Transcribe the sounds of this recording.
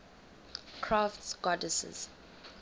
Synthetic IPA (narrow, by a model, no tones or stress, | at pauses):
kʰɹaftsɡ̥ɔdəsɛ̰z̥